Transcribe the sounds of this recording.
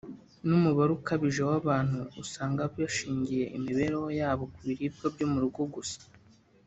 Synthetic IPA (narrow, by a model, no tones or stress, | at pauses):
numuβaɾukaβiʒewaβaːn̥huusaːŋɡabaʃiːɲɟije̞ʔimiβe̞ɾewojaːβo̞kuβiɾiːb̚ɡabɟomuɾuɡoɡusḁ